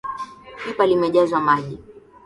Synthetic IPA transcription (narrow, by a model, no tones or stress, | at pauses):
kipalimɛʄazwamaʄi